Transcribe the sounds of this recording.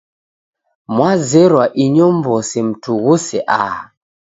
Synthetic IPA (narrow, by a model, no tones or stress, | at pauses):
mwazɛɾwaʔiɲɔmbɔsim̩tʰuɣusɛʔa